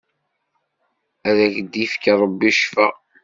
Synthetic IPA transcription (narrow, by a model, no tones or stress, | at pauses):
æðæçd̪ifkɾˤəbːiʃfæ